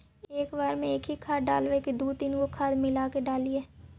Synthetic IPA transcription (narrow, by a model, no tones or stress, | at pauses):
eːkʋaːɾmẽɪkʰiːkʰaːɖaːlʋeːkid̪uːt̪ɪnkoːkʰaːd̪mɪlaːkeɖaːliːɛː